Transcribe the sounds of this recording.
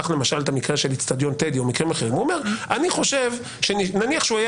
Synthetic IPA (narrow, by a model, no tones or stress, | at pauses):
aχlemaʃalt̪amikʁanʃelit͡st̪ad̪jo̞nt̪ed̪iomikʁimaχeʁimuome̞ʁaniχo̞ʃe̞v | ʃeninaniaχʃeuaja